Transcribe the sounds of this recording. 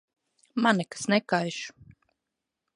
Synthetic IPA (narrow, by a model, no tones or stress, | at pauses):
manɛkḁsnɛkajʃu̥